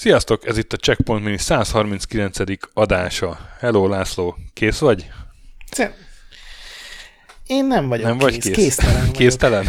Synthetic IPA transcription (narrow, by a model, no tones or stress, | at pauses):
sijɒst̪o̞kɛzit̪ːɒt͡ʃɛkpo̞nt̪minisaːshɒrminskilɛnt̪sɛd̪ikɒd̪aːʃɒhɛloːlaːsloːkeːsʋɒɟ | eːnːɛɱvɒnɛmvɒɟkeːkeːskeːst̪ɛlɛn